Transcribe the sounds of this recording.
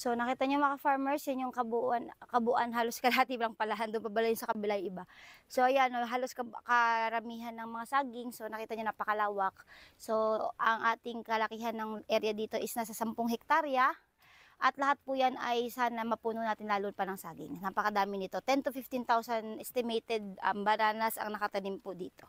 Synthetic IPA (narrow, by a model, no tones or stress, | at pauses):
so̞nɐkiːt̪ɐɲomɐkɐfaɹmɛɹsɛnjʊŋkɐbuʔankɐbuʔanɦaːlo̞skɐlɐhat̪iblɐŋpɐlaɦand̪onbabɐlajʊnsɐkɐbɪlajʔɪbaso̞ʔɐjanoɦaːlo̞skɐkɐɐɾɐmiːɦɐnːɐŋmɐŋasaːɡɪŋso̞nɐkiːt̪ɐɲonapɐkɐlaːwɐk̚so̞ʔɐŋʔaːt̪ɪŋkɐlɐkiːɦɐnːɐŋʔɛɾjɐd̪iːt̪o̞ʔɪsnas̬ɐsɐmpoŋhɛk̚t̪aɾjɐ | ʔɐt̪lɐɦat̪̚pʊjanɐjsaːnɐmɐpuːnonaːt̪ɪnlaːlonpɐnɐŋsaːɡɪ̰ŋnapɐkɐd̪aːmɪnɪt̪o̞t̪ɛnt̪ʊfift̪ɪnt̪awsɐnʔɛst̪ɪmejt̪ɛd̪̚ɐ̰mbɐnaːnɐsɐ̰ŋnɐkɐt̪ɐnimpʊd̪iːt̪o̞